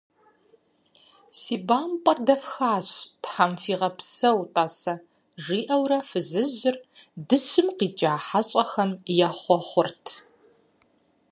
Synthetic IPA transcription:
siːbaːmpʼɐrdɐfxaːɕpħamfiːʁɐpsɐwtʼaːsɐ | ʒiːʔɐwrɐfɨzɨʑɪrdɨɕɪmqiːt͡ʃʼaːħaɕʼɐxɐmjaːχʷɔχʷʊrtʰ

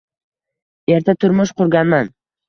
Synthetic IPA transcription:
e̞ɾt̪ʰat̪ʰʊɾmʊʃqʊɾɡʲanman

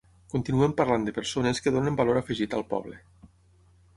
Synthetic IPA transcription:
kunt̪inuɛmpaɾland̪əpəɾsoneskəðonəmbaloɾafiʒit̪alˠpɔ̰βlə

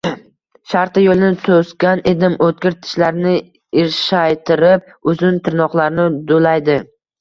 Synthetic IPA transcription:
ʃaɾt̪ɨjolˠɪnɪt̪ʰoskʲaned̪ɪmot̪̚ɡʲɪɾt̪ʰɪ̥ʃlaɾnɪ | ɪɾʃajt̪ʰɪɾɪp̚ | ʊzɪnt̪ʰɪɾnɒqlˠaɾnɪd̪olajd̪ɪ

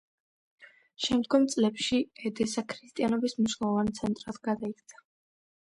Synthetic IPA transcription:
ʃɛmd̪ɡɔmt̪sʼlɛpʃiɛd̪ɛsakʰɾist̪ʼianɔbismniʃlˠɛlˠɔvant̪sʰɛnt̪ʼɾat̪ɡ̥ad̪aik̚t̪sʰḁ

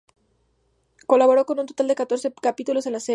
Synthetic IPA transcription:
ko̞laβo̞ɾo̞ko̞nunt̪o̞t̪ald̪e̞kat̪o̞ɾsekapit̪ulose̞nlase

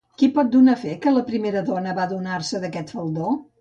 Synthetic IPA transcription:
kipɔt̪̚d̪unafekələpɾimeɾəðɔnəβaðunarsəðəkɛt̪fəlˠd̪o

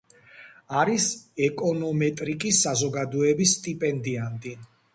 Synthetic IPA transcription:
aɾisɛkʼɔnɔmɛt̪ʼɾikʼisːazɔɡad̪ɔɛbisːt̪ʼipʼɛnd̪iant̪ʼi

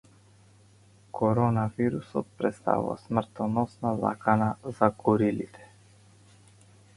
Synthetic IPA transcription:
kʰɔɾɔnaviɾusɔt̪̚pɾɛt̪st̪a̰vṵva̰smr̩t̪ɔnɔsnaza̰kanazaɡɔɾilit̪ʰɛ̥

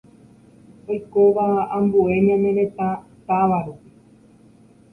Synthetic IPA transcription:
o̞jkoʋaãmbue̞ɲõmẽɾẽ̞t̪ã | t̪aʋaɾupi

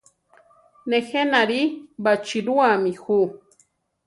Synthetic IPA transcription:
nexenaɾibat͡ʃiɾuamixu

